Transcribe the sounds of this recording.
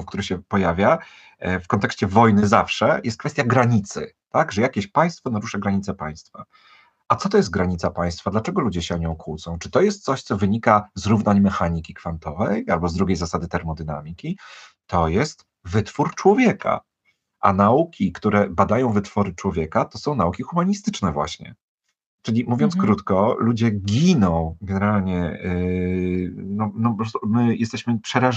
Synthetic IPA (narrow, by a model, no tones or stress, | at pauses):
fkt̪uɾɘɕɛpɔjavʲja | fkɔnt̪ɛkɕt͡ɕɛvɔjnɘzafʂɛjʔɛst̪kfɛst̪ʲjaɡɾaɲit̪sɘ̰t̪aɡʐɛjakʲeɕpaj̃st̪fɔnaɾuʂaɡɾaɲit̪sɛpaj̃st̪fa | at̪ɔt̪ɔjɛst̪̚ɡɾaɲit̪sapaj̃st̪fad̪lat͡ʂɛɡɔlud͡ʑɛɕɛɔɲɔ̃w̃kwut̪sɔ̃w̃t͡ʂɘ̥t̪ɔjɛst̪̚t̪sɔɕt̪sɔvɘɲikazɾuvnaɲmɛxaɲikʲikfant̪ɔvɛjalbɔzd̪ɾuɡʲejzasad̪ɘt̪ɛɾmɔd̪ɘna̰mʲikʲit̪ɔjɛst̪ | vɘt̪fuɾt͡ʂwɔvʲjɛkʰa̰ | ʔa̰naukʲikt̪uɾɛbad̪ajɔ̃w̃vɘt̪fɔɾɘt͡ʂwɔvʲjɛkat̪ɔsɔ̃w̃naukʲixumaɲist̪ɘt͡ʂnɛvwa̰ɕɲɛ̰ | t͡ʂɘlʲimuvʲjɔnt̪skɾut̪kɔlud͡ʑɛɡʲinɔ̃w̃ɡɛnɛɾalɲɛ | nɔnɔpɾɔst̪umɘjɛst̪ɛɕmɘpʂɛɾa